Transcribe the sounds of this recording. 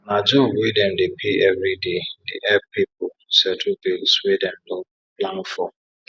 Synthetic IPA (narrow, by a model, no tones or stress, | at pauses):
nad͡ʒowedɛm̩dɪpʰiɛvɾidedɪ̰ʔɛpipʊ | sɛtʰubilswedɛm̩dʊ | plan̩fɔ